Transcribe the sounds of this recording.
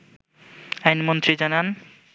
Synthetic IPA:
ajnmont̪ɾid͡ʑanan

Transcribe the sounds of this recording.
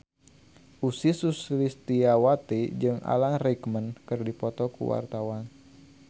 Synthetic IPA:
ʔusisuslist̪iawat̪id͡ʒɨŋa̰lanrɛkmənkɨrdipɔt̪ɔkṵwa̰rt̪awan

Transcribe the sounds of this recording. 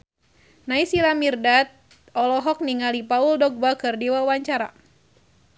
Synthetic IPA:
naisilamirdat̪̚ | ɔlɔɦɔk̚niŋalipauldɔɡ̚bakɨrdiwawaɲt͡ʃaɾa̰

